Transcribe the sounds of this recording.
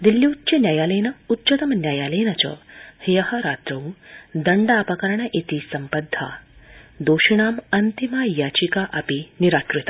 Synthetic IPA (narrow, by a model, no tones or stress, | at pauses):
d̪iljiwtːt͡ʃɐnjaːjaːleːnɐutːt͡ʃɐt̪ɐmɐnjaːjaːleːnɐt͡ʃɐ̰hijɐhɐɾaːt̪ɾɐũd̪ɐɳɖaːpɐkɐɾɐɳɐʔit̪isɐmpɐd̪ʱːa̰ːd̪oːʃiɳaːmɐnt̪imajaːt͡ʃikaʔɐpiniɾaːʈɾit̪a